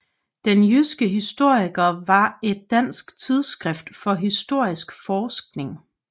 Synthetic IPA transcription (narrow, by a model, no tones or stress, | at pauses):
d̥enjysɡ̥əɦisd̥o̝ɐ̰iɡ̥ɐʋɑ̈e̝d̥̚ːæn̰sɡ̥t͡sʰið̞ˠsɡ̥ʁɛfd̥fɒ̽ɦisd̥o̝ɐ̰isɡ̥fɒːsɡ̥ne̝ŋ